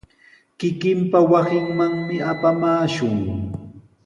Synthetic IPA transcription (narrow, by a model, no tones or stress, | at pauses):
kɪkɪmpawasɪŋmaŋmɪapamaːʃʊŋ